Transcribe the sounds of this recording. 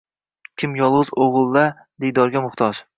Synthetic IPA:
kʲʰɪmjɒlˠʁɨzoʁɨlˠːa | d̪ejd̪ɒɾɡʲamʊχt̪ʰɒd͡ʒ

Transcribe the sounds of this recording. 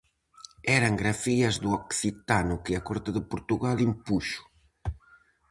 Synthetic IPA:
ɛɾɐŋɡɾafiɐzðuɔksit̪anʊkɪɐkɔɾt̪ɪðɪpoɾt̪uɣalimpuʃʊ̥

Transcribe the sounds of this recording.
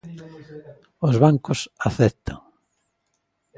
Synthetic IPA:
ozβaŋkʊsaθɛt̪ʰa̰ŋ

